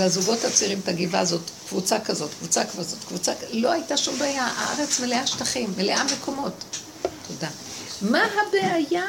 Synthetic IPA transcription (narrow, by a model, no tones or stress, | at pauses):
eazuɡo̞that͡siʁimt̪aɡiva̰zo̞tkvut͡sakazo̞t̪kvut͡sakvazo̞t̪kvut͡saklo̞ajtaʃumbeajaʔa̰ʔa̰ʁet͡smeleaʃtaχimːeleʔame̞kʰo̞mo̞t | tʰoda | maɦabeaja